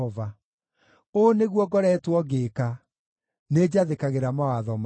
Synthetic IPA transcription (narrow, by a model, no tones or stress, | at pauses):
ɔva | oneɣwɔɡɔɾɛːtwɔɡeːka | ned͡ʑaðekaɣeɾamawaðɔm